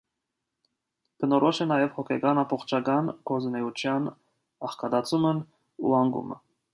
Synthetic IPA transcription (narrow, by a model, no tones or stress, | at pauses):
b̥ənɔɾɔʃɛnɑjɛvhɔkʰɛɡɑnɑpɔχt͡ʃʰɑɡɑnqʰɔznɛut͡ʃʰjɑn | ɑχkɑd̪ɑt͡sʰumən | ṵɑŋɡṵmə̰